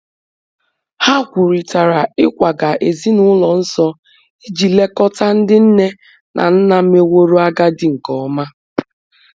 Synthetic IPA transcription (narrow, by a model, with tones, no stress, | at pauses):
ha˦kʷʊ˨ɾi˨ta˨ɾa˨ɪ˦kʷa˨ɡa˨ʔe˨zi˦nʊ˦lɔ˨n̩˦sɔ˦ | i˦d͡ʒi˨le˦kɔ˦ta˦n̩˦dɪ˦n̩˦ne˦ | nʔa̰˨n̩˦na˨˦me˦wo˦ɾo˦a˦ɡa˦dɪ˦ŋ̩˨kɔ˨ɔ˦ma˦